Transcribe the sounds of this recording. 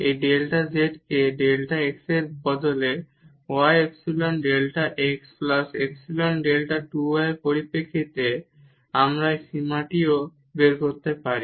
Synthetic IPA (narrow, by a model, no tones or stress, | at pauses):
ejɖelʈad͡ʑeʈkeɖelʈaekseɾbɔd̪ole | oajeksilonɖelʈaʔeksplaseksilonɖelʈaʈuaepoɾipekʰːit̪e | amɾajʃimaʈio | beɾkoɾt̪epaɾi